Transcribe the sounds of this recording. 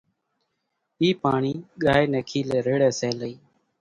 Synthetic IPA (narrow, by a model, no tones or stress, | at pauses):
iːpaːɳiːɠaːjnɛːkʰiːlɛːɾeːɽɛːsɛːləiː